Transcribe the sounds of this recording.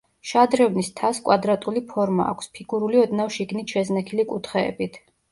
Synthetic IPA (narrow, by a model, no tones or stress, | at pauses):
ʃad̪ɾɛvnist̪ʰaskʼwad̪ɾat̪ʼulipʰɔɾma̰ːkʷʰspʰiɡuɾuliɔd̪nafʃiɡnit̪ʃɛznɛkʰilikʼut̪ʰχɛ̰ːbit̪ʰ